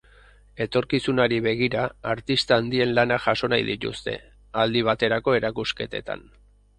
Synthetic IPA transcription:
e̞t̪o̞ɾkisunaɾiβe̞ɣ̞iɾaaɾt̪ist̪aːnd̪ie̞nlanaʝaso̞najðit̪ṵst̪e̞̰ | ald̪iβ̞at̪e̞ɾako̞e̞ɾakuske̞t̪e̞̰t̪a̰n

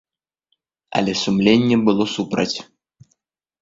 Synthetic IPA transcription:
ɐ̰lʲɛsumlʲenʲːɛbɨlˠɔsupɾɐ̰t͡sʲ

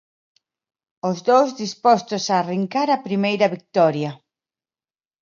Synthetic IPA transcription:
ozðowzðispɔst̪osaːriŋkaɾapɾimejɾɐβik̚t̪ɔɾjɐ

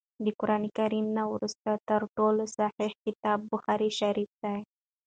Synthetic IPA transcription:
d̪əkʊɾɑnikaɾimnawɾust̪at̪əɾʈolosaħihkɪt̪ɑbːʊxɑɾiʃaɾifd̪a

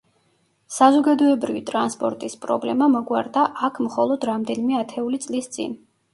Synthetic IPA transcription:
sazɔɡad̪ɔɛbɾivit̪ʼɾanspʼɔɾt̪ʼispʼɾɔ̰blɛmamɔɡwaɾd̪aʔakʰmχɔlˠɔd̪ɾamd̪ɛnimɛat̪ʰɛulit̪sʼlist̪sʼḭn

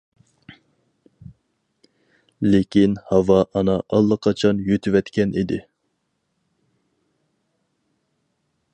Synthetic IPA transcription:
lɪkʲinhɑwɑʔɑnɑʔɑlˠːɑqʰɑt͡ʃʰɑnjøt̪ʰywɛt̪kʲɛnid̪ɪ

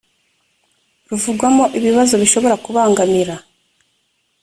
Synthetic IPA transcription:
ɾuvuɡwamo̞ʔiβiβazo̞βiʃo̞βo̞ɾakuβaːŋɡamiɾa

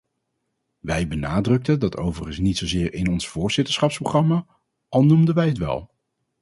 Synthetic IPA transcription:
ʋɛjbənaːdrɵk̚təndɑtowvərənsnitsowzɪːɹɪnɔnsfʊːɹz̥ɪtə̥ɹsχɑpsproχrɑmaː | ʔɑlˠnumdəʋɛjɦətʋɛ̰lˠ

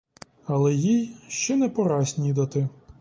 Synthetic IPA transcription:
ɐlˠɛjijʃt͡ʃɛnɛpɔɾɑsʲnʲijd̪ɐt̪ɪ

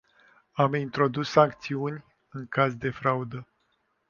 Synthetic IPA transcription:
amint̪ɾo̞d̪usːaŋk̚t̪siunʲ | ɨŋkazd̪e̞fɾaud̪ə

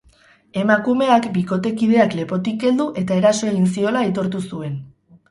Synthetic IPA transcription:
e̞makume̞akbiko̞t̪e̞kið̞e̞akle̞po̞t̪ikɡe̞ld̪uʔe̞t̪ae̞ɾaso̞elinsio̞lait̪o̞ɾt̪usue̞n

